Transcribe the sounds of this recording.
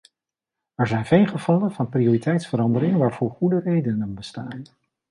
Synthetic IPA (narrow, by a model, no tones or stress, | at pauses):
ɛɹzɛjnvejlˠχəv̥ɑlənvɑnprioːritɛjtsfəɾɑndəɾɪŋʋaːɹv̥ʊːɹχudərejdənənbəstaːn